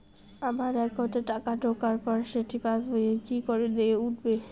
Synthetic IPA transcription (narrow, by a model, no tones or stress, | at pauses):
amaɾɛkɦot̪eʈakaɖʱokaɾpɔɾʃeʈʰipasbojekikoɾed̪eeuʈʰbe